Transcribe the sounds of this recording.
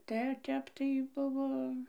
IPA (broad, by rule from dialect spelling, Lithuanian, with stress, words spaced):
ˈtʲɛ ˈtʲɛp tɐɪ ˈbʊʋoː